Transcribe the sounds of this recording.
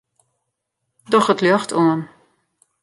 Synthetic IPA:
dɔχətlœχtʰuən

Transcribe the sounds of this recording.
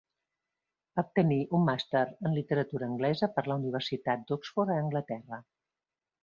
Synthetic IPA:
ap̚t̪əniʔumːast̪əɾənlit̪əɾət̪uɾəːŋɡlɛzəpəɾləuniβ̞ərsit̪at̪̚d̪ɔksfoɾəːŋɡlət̪ɛrə

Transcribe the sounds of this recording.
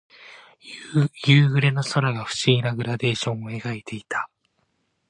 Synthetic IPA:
jɯːɡɯ̟ɾe̞no̞soɾaɡaɸɯ̟̥ɕiɡʲinaɡɯ̟ɾad̪e̞ːɕõ̞ɰ̃o̞e̞ɡait̪ʰe̞it̪ʰḁ

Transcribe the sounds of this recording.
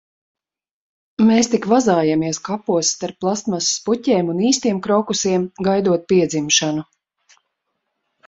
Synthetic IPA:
meːst̪ikvazaːjamiɛskapuɔsːt̪aɾpːlˠast̪massputʲɛːmuniːst̪iɛmkɾɔkusiɛmɡajd̪uɔt̪̚piɛd̪zimʃanu

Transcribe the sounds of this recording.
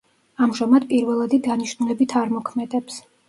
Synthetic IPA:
amʒamad̪̚pʼiɾvɛlˠad̪id̪aniʃnulɛbit̪ʰaɾmɔkʰmɛd̪ɛps

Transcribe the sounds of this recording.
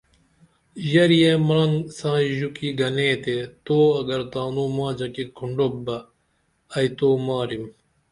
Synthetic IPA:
jɐɾijemaŋsãːjukiɡɐneːt̪et̪oːɐɡɐɾt̪aːnũːmãːd͡ʑɐkikʰuɳɖobɐ | ɐjt̪oːmaːɾim

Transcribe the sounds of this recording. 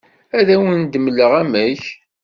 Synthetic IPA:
æðæwənd̪əməlːəʁæmæç

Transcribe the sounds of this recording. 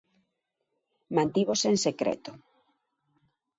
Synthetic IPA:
mãnt̪iβoseŋsekɾɛ̰t̪o

